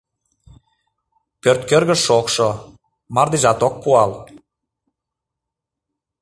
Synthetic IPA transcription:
pørt̪køɾɣə̆ʃokʃo | mɑrd̪iʒɑt̪ok̚puɑl

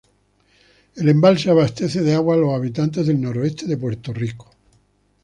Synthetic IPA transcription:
elembalseaβast̪eθeðeaɣwalosaβ̞it̪ant̪̬e̞zðelnoɾoest̪eðep̬we̞ɾt̪oriko̥

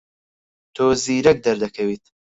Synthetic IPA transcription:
t̪ʰoːziːɾɐk̚d̪ɐɾd̪ɐkʰɐwiːt̪̚

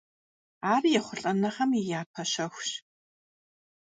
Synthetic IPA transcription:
aːrjɛχʷʊrɬʼɐnɐχɐmijaːp̚ʰɐɕɐxʷɕ

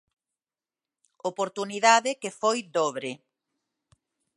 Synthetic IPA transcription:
opoɾt̪uniðaðɪkefojd̪oβɾe

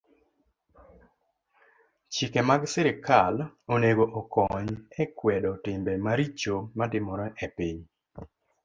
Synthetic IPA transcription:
t͡ʃikɛmaɡsɪɾɪkaloneɡoʔɔkɔɲɛkwɛdɔtɪmbɛmaɾit͡ʃomatɪmɔɾɔʔɛpiɲ

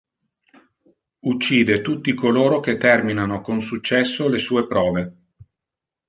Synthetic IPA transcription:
ut͡ʃːiːd̪et̪ut̪ːikoloːɾok̟et̪ːɛrminanokonsut͡ʃːɛsːolesuːepɾɔːve

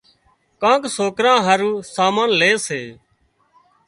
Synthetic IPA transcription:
kãːksoːkɾãːɦəɾuːsaːmaːnleːseː

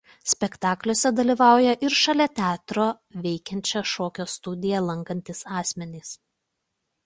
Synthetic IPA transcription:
sʲpʲɛkt̪ɑːklʲoːsʲɛd̪ɐlʲiːʋɑˑʊjɛʔɪɾʃɐlʲɛt̪ʲæːt̪ɾoː | ʋʲɛɪkʲɛnʲt͡ʃʲoʃoːkʲoːst̪ʊd̪ʲɪjɛlˠɐŋkɐnʲt̪ʲɪsɑːsʲmʲɛnʲiːs

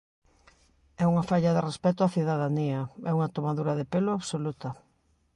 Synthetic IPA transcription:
ɛuŋɐfaʎɐðɪrespɛt̪ʊaθiðaðaniɐɛuŋɐt̪omaðuɾɐðɪpelʊaβsolut̪ɐ

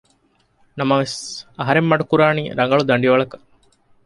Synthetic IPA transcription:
nɐmɐʋesɐɦɐɾemːɐɖukuɾaːniːɾɐŋɡɐɭud̪ɐɳɖiʋɐɭɐkɐ̥

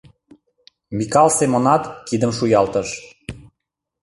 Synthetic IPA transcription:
mikɑlˠsemonɑt̪kid̪əmʃujɑlt̪ə̆ʃ

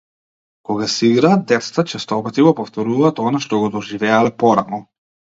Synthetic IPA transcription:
kɔɡasɛiɡɾaːt̪̚d̪ɛt̪sḁt̪at͡ʃɛst̪ɔpat̪iɡɔpɔft̪ɔɾuvaːt̪ɔnaʃt̪ɔɡɔd̪ɔʒivɛalɛpɔɾanɔ

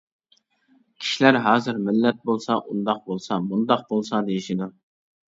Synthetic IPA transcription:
kʲʰi̥ʃilæɾɦɑːzɪɾmɪlːɛt̪̚bolˠsɑʔund̪ɑq̚bolˠsɑmund̪ɑq̚bolˠsɑd̪ejiʃid̪u

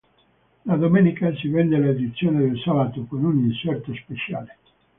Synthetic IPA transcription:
lad̪omeːnikasivɛnd̪elaed̪it̪sːjoːned̪elsalat̪okonuninsɛrt̪ospet͡ʃja̰ːle

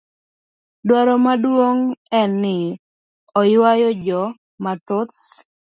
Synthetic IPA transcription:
dwaɾɔmadwoŋɛnːɪ | ɔjwajɔd͡ʒɔ | mat̪ʊt

